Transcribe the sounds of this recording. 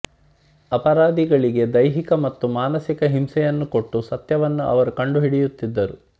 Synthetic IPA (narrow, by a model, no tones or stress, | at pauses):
ɐpɐɾaːd̪iɡɐɭiɡe̞d̪ɐjɦikɐmɐt̪ːumaːnɐsikɐɦimsɛjɐnːuko̞ʈːusɐt̪jɐʋɐnːuʔɐ̰ʋɐɾukɐɳɖuɦiɽijut̪ːid̪ːɐɾu